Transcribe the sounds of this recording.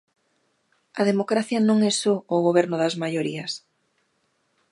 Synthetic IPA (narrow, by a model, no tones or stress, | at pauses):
ɐðemokɾaθjɐnõŋɛsoːɣoβ̞ɛɾnʊðɐzmajoɾiɐs